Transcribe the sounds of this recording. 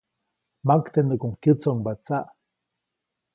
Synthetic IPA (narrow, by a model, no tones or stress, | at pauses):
makt̪end̪əkoŋkjɨt͡soŋbat͡saʔ